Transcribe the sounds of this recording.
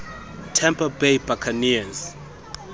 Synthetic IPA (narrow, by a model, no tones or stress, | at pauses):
tʰɛmpʰabejbakʰanias